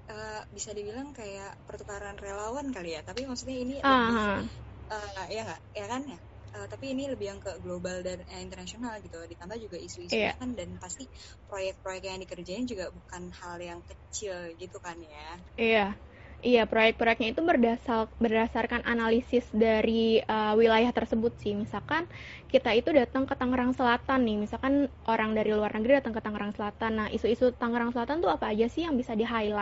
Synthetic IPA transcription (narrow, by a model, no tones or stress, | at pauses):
ʔəːbisadibilaŋkajaʔpərt̪ukaɾanrelawankalijat̪apimasut̪ɲainiaɦaəijaŋɡaʔjakanja | ət̪apiːniləbɪhjaŋkəɡlobaldanəint̪ərnasionalɡit̪udit̪ambahd͡ʒuɡaisuisjuaakandanpast̪i | pɾojɛk̚t̪̚pɾojɛkjaŋdikərd͡ʒainid͡ʒuɡabukanhaljaŋkət͡ʃɪlɡit̪ukanja | ija | ijapɾojɛk̚pɾojɛk̚ɲait̪ubərdasabərdasarkanʔanalisɪsdaɾiəwilajaht̪ərsəbʊt̪̚sɪhmisalkan | kit̪ait̪udat̪aŋkət̪aŋəɾaŋsəlat̪anːɪhmisalkanʔoɾaŋdaɾiluarnəɡɾidat̪aŋkət̪aŋəɾaŋsəlat̪anːahʔḭsuisut̪aŋəɾaŋsəlat̪ant̪uapaːd͡ʒasɪhjaŋbisadiɦaila